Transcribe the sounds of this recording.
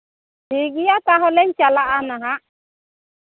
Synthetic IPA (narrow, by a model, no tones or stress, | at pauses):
diɡijataɦɔlɛɲt͡ʃalaʔanaɦa